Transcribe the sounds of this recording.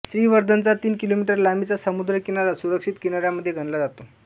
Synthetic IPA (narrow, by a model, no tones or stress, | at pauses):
sɾiːʋəɾd̪ʱənt͡sat̪iːnkilomiʈəɾlamit͡sasəmud̪ɾəkinalasuɾəkʂit̪kinaɾjaməd̪ʱːjeɡʱənlad͡zat̪o